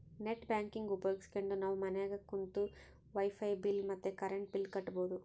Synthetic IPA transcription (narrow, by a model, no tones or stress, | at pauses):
neʈbʲjaːŋkiŋɡupɐjoːɡisi̥keɳɖunaːʋumɐnɛjaːɡɐkːunt̪u | ʋɐjpʰɐjbilmɐt̪ːekɐɾeɳʈ̚bilkɐʈːɐboːd̪u